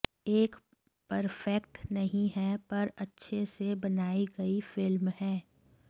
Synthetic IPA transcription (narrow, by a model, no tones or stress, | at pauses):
eːk | pɐɾfɛkʈnɐɦĩɦɛpɐɾɐtːʃʰesebɐnaːiɡɐifɪlmhɛː